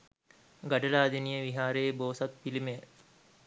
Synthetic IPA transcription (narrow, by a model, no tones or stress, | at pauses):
ɡaɖəlaːd̪inijəʋiɦaːɾeːboːsɐt̪̚pilime